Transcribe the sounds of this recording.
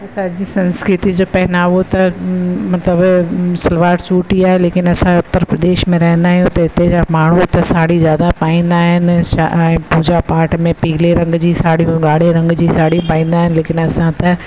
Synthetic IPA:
saːɾd͡ʑiːsɐ̃nskɾɪt̪id͡ʑoːpɛɦɪnaːʋot̪ɐmɐt̪ləbsɐlʋaːʈt͡ɕuːʈiaːɦeleːkɪnɐsãʊt̪ːəɾpɾɐd̪eːʃmẽɾɐɦɛ̃nd̪aːɦjũt̪ɐɪt̪ed͡ʑamaːɳ̤ũt̪ɐsaːɽizjaːd̪apaːĩːnd̪aːɦɪnãpuːd͡ʑapaːʈmẽpiɡleɾɐ̃ŋɡd͡ʑiːsaːɽijũɡaːɽeɾɐ̃ŋɡd͡ʑisaːɽĩpaːĩːn̆d̪aːɦɪnleːkɪnɐsãt̪ɐ

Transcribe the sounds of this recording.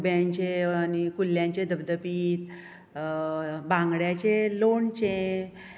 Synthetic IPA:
bjaɲt͡ɕeanikuljãɲt͡ɕed̪əbd̪əpiːt̪ | bãŋɡɽjat͡ɕelont͡ɕẽ

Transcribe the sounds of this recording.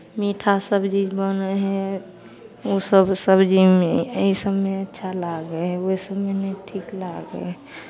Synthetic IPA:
miʈʰasəbd͡ʒid͡ʒbənɛɦɛ̃ | osəbsəbd͡ʒimeəisəbmeətːʃʰalaɡɛoisəbmenɛiʈʰiklaɡɛ̰

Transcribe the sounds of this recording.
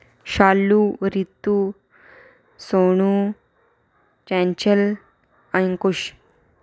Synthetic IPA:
ɕalːuɾit̪ːu | soɳ̃u | t͡ɕɛ̃ɲt͡ɕəl | aŋkoɕ

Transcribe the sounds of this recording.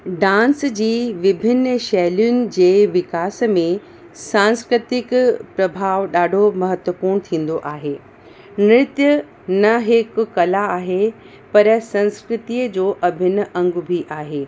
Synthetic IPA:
ɖãːnsd͡ʑiːʋɪbʱɪnːəʃɛɦlijʊnɪ̆d͡ʑeːʋɪkaːsmẽ | sãːnskɾɪt̪ɪkpɾɐbʱaːʋɗaːɖʱomɐɦət̪wəpuːñt̪ʰĩːn̆d̪oʔaːɦeː | nɪɾt̪jə | nɐɦɪkkɐlaːɦe | pɐɾsɐ̃nskɾɪt̪iːəd͡ʑoːʔɐbʱɪn̆ɐ̃ŋɡbʱiʔaːɦeː

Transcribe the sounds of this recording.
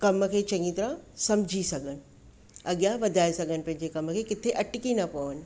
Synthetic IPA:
kɐmkʰeːt͡ɕɐ̃ĩt̪ɐɾə̃sɐmd͡ʑʱisɐɡʱənɪ̆ | ɐɠjãʋɐd̪ʱaːesɐɡʱənɪ̆pɐ̃ɦɪ̃ɲd͡ʑekɐmkʰeːkɪt̪ʰeʔɐʈɪkinɐpɐʋənɪ̆

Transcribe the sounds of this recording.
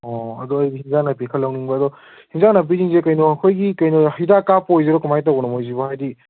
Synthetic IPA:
ɔɐdɔɐɾɡihiŋzanɐpekʰɐlːawniŋbɐːdɔ | hiŋzanɐp̬iɾiŋzekɐjnɔɐkʰojɡikɐjnɔhidakapojzeɾɔkumajtawɡɔnɐmojzibɔhajdi

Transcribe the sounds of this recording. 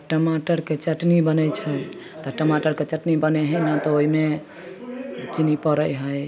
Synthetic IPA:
ʈəmaʈəɾket͡ʃəʈnibənəjt͡ʃʰɛ | t̪ɔʈəmaʈəɾket͡ʃəʈnibənɛɦənat̪ɔoɦime | t͡ʃinipəɾəjɦəj

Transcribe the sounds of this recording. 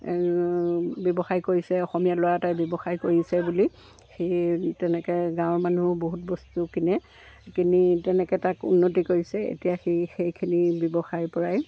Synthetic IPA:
bjɔbɔxajkoɹisɛɔxɔmijalowatajbjɔbɔxajkoɹisɛbuli | xejtɛnɛkɛɡãw̃ɔɹmanuboɦut̚bɔstukinɛ | kinitɛnɛkɛtakṵnːot̬ikoɹisɛḛtijaxexejkʰinibjɔbɔxajpɔɹaj

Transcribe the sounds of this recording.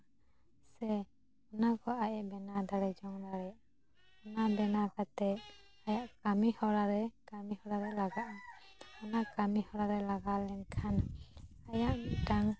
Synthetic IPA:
sɛ | ɔnakɔʔaʔɛʔbɛnad̪aɽɛd͡ʒɔŋd̪aɽɛʔ | ɔnabɛnakat̪ɛʔ | ajaʔkamihɔɽaɾɛkamihɔɽaɾɛlaɡaʔaɔnakamihɔɽaɾɛlaɡalɛnkʰanajaʔʈaŋ

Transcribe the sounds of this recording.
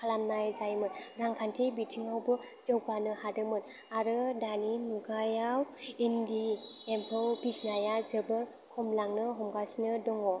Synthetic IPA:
kʰalamnajzajmɯnɾaŋkʰantʰebitʰiŋawbɯ | z̥ɯwɡanɯhadɯmɯn | aɾɯdaninuɡajawindi | empʰɯwbisnajazɯbɯɾ | kʰɔmlaŋnɯɦɔmɡasnɯdɔŋɔ

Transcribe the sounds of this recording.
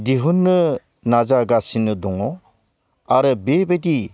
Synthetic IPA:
diɦunːɯ | nazaɡasinɯdɔŋɔ | aɾɯbebejdi

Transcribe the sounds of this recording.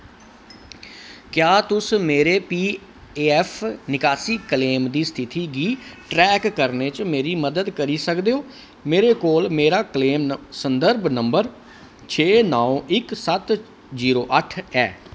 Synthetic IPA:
kjaːt̪ʊsmeːɾeːpiː | eːɛpʰnɪkaːsiːkleːmd̪iːst̪ʰɪt̪iːɡiːʈɾɛːkːəɾneːt͡ʃmeːɾiːməd̪əd̪kəɾiːsəkd̪eːoː | meːɾeːkoːlmeːɾaːkleːmsənd̪əɾbnəmbəɾ | t͡ʃʰeːnaːoʔɪksət̪ | ziːɾoːʔəʈʰɛː

